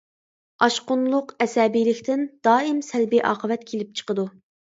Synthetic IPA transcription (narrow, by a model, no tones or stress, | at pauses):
ɑʃqʊnlˠʊqɛsɛːbijlɪkʲt̪ɪnd̪̥ɑːɪmsɛlbiʔɑːqəvɛt̪kʲʰelɪp̚t͡ʃʰə̥qəd̪u